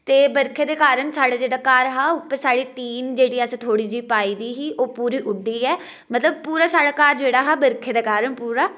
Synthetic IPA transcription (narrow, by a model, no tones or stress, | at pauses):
t̪eːbəɾkʰeːd̪eːkaːɾəɳsaːɽaːd͡ʒeːɽaːkaːɾɦaːʊpːəɾsaːɽiːʈiːnd͡ʒeːɽiːəst̪ʰoːɽiːd͡ʒiːpaːiːd̪iːɦiːʔoːpuːɾiːʔʊɖːiːɛː | mət̪ləb̚puːɾaːsaːɽaːkaːɾd͡ʒeːɽaːɦaːbəɾkʰeːd̪aːkaːɾəɳpuːɾaː